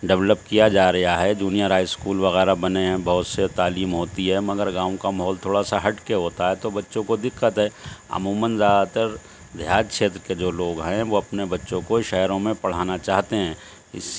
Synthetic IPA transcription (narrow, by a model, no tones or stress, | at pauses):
ɖɛʋləpkijad͡ʒaːɾɐɦaɦɛd͡ʒuːnijəɾɦaːɪskuːlʋɐɣɛːɾabɐneɦɛ̃bɐɦʊt̪set̪aːliːmɦoːt̪iɦɛmɐɡəɾɡãːõkamɐɦɔːlt̪ʰoːɽasaɦɐʈkeɦoːt̪aɦɛt̪obɐtːʃõkod̪ɪkːət̪ɦɛːɐ̰muːmənzaːd̪at̪əɾ | d̪ʱjaːdkʃeːt̪ɾəked͡ʒoːloːɡɦɛ̃ʋoɐpnebɐtːʃõkoʃɛːɾõmẽpɐɽ̤aːnat͡ʃaːɦt̪eɦɛ̃ː | ɪs